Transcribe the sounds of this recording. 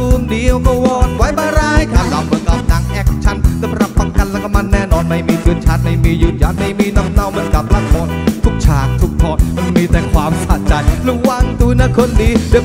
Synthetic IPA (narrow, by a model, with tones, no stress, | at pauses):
u˧ŋdi˧˩əwkɔː˧wɔː˧˩t̪̚wa˦˥jbaː˧ɾaː˧jkʰaː˧˩la˨˧wbɯː˧˦ka˨˧˩wt͡ɕaː˨˩ŋʔɛ˧˩k̚t͡ɕʰa˧˥nsa˨˧˦mɾa˨˩pʰːa˧˩ŋka˧˩nla˧˩kʰːa˧ma˧nːɛː˧˩nɔː˧nma˧˩jmiː˧t̪ʰɯ˧ənt͡ɕʰaː˧˥t̪̚na˧˩jmiː˧ju˧˥t̪̚ja˨˧˥t̪̚na˧jmiː˧na˧˩mna˧wmɯː˨˧˦ənka˨˩p̚laː˧˥t̪̚mɔ˧˥n̚t̪ʰu˦˥k̚t͡ɕʰaː˨˩k̚t̪ʰu˦˥k̚t̪ʰɔː˧˩n̚ma˧nmiː˧t̪ɛ˨˩ŋkʰwaː˧msaː˧˩t̪̚t͡ɕa˧jluː˧˥wa˧ŋt̪u˧naː˧˥kʰo˧ndiː˧˦dɨ˧